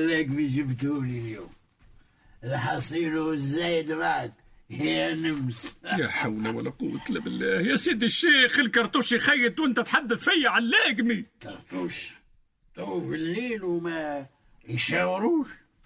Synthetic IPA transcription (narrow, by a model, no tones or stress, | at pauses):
lːæɡmiʒəbt̪huliljum | lħɑsˤiluzːæjd̪ɾɑk̚həjjænəmsjæħawlæwəlːæqʊ̰wːət̪læbəlːæhjæsid̪əʃːixəlkɑɾˤt̪ˤuʃjxæjːət̪wʔənt̪æt̪ħad̪ːəθfæjːaʕanlæɡmikɑɾˤt̪ˤuʃ | t̪ˤufəlːinmæjʃæwɾuʃ